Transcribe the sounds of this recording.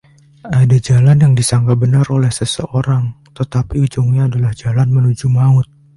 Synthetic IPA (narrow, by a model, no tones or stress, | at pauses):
ʔadad͡ʒalanjaŋdisaŋɡabənarolɛhsəsəʔoɾaŋt̪ət̪apiud͡ʒuŋɲaːdalahd͡ʒalanmənud͡ʒumaʊt̪̚